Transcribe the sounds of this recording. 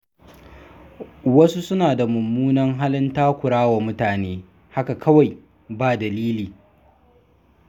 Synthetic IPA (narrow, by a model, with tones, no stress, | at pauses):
wɐ˦su˦sʊ˦naː˨da˨mʊ˨mːuː˦nɐ˦ŋɦa˦lɪ˦ntaː˦kʷʊ˨ɽaː˦wa˨mʊ˦taː˨neː˦ | ha˦ka˨kʰɐ˦wa˨j | baː˦˨dɐ˨liː˦liː˨